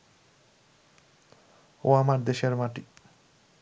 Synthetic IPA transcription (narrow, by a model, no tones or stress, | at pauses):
oamaɾd̪eʃeɾmaʈi